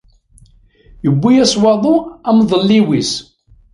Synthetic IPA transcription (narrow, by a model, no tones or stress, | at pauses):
jəbːijæswɑðˤuæmðˤəlːiwis